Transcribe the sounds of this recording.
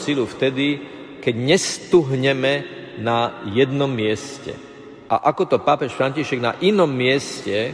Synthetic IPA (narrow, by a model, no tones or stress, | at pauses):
siluft̪ɛd̪i | kɛɟɲɛst̪uɦɲɛmɛ | najɛd̪nɔmːɪɛscɛ̰ | ʔa̰ʔakɔt̪ɔpaːpɛʃfɾaɲciʃɛɡna̰ʔinɔmːɪɛscɛ